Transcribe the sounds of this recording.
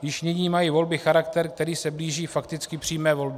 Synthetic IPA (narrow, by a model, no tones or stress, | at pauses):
jɪʃɲɪɲiːmajiːvo̞lbɪxaɾakt̪ɛɾk̚t̪ɛɾiːsɛbliːʒiːfakt̪ɪt͡skɪpr̥iːmɛːvo̞lbɪ